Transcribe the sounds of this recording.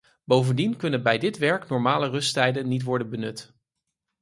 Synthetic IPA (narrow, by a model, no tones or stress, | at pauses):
bowvəndinkɵnənbɛjdɪtʋɛɹknɔɹmaːlərɵsttɛjdənːitʋɔɹdənbənɵt